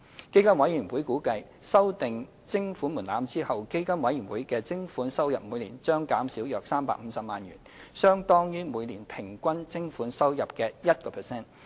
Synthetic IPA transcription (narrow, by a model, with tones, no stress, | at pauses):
ke˥kɐ˥nwɐ˨˥jyː˨˩nwuː˨˥jkuː˨˥kɐ˧j | sɐ˥wt̪ɪ˨ŋ | t͡sɪ˥ŋfu˨˥nmuː˨˩nlaː˨˧mt͡siː˥hɐ˨wke˥jkɐ˥nwɐ˨˧˥jyː˨˩nwuː˨˥jkɛː˧t͡sɪ˥ŋfuː˨˥nsɐ˥wjɐ˨p̚mu˨˧jliː˨˩nt͡ʃœː˥ŋkaː˨˥msiː˨˥wjœː˨k̚saː˥mpa̰ː˧k̚m̩˨˧sɐ˨p̚ma̰ː˨njyː˨˩nsœː˥ŋt̪ɔː˥ŋjyː˥muː˨˧jnliː˨˩npʰɪ˨˩ŋkʷɐ˥nt͡sɪ˥ŋfuː˨˥nsɐ˥wjɐ˨p̚kɛː˧jɐ˥t̚kɔː˧pʰɛ˨sɛː˥n